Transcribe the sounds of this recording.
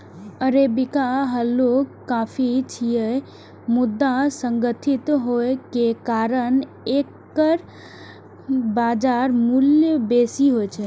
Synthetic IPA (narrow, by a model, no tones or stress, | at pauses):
əɾebikaɦəlo | kːapʰit͡ʃʰije | mud̪ːasəŋɡət̪ʰit̪ɦoekekaɾən | ekː | əɾ | bad͡ʒaɾmuljəbesiɦojt͡ʃʰɛ